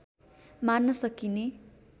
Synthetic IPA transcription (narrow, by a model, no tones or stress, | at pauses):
manːʌsʌkine